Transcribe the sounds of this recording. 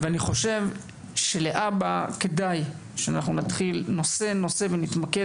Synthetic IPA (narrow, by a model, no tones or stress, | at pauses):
veaniχo̞ʃe̞v | ʃe̞leʔabake̞daj | ʃeanaχnunatχilno̞se̞no̞se̞venit̪make